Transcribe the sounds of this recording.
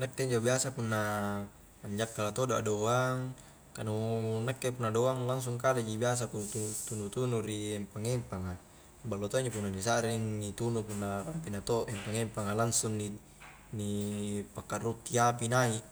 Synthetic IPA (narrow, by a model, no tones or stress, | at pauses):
nak̚t̪eɲd͡ʒabiasapunːa | aɲd͡ʒakːalat̪odoa̰doaŋ | kanunakːepunːadoaŋlaŋs̬uŋkaled͡ʒibias̬apunt̪ut̪unut̪unuɾiɛmpaŋempaŋa | balːot̪oiɲd͡ʒop̬unːanis̬aɾiŋnit̪unupunːapapinat̪oempaŋempaŋalaŋsuŋni | nipakːaʔrut̪iapinaiʔ